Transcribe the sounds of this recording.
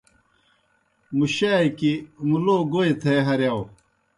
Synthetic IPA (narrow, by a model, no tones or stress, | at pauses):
muɕaːjkimuloːɡoet̪ʰeɦɐɾjaw